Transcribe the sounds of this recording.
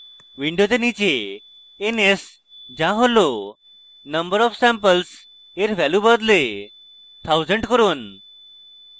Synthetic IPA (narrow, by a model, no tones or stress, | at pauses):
ʋiɳɖod͡zənit͡ɕeː | nes | d͡ʑãɦolo | nəmbəɾɔfsæ̃mpəls | eɾʋæljubəd̪le | t̪ʰawzəɳɖʈkəɾuːn